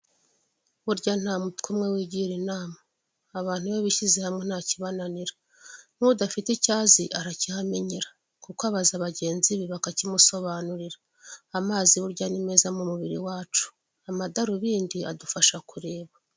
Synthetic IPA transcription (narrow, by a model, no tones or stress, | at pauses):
βuɾɟan̥haːmutkumŋe̞wiːɟiɾinaːmaː | βaːn̥huβeβiʃizehamŋe̞n̥haːciβananiɾa | n̥udafiticaːziʔaɾacihameɲiɾa | kukoaβazaβaɟe̞ːnziβiβakacimuso̞βanuɾiɾaː | maːziβuɾɟanime̞ːzamumuβiɾiwaːt͡ʃu̥ | amadaɾuβiːndia̰dufaʃakuɾe̞ːβa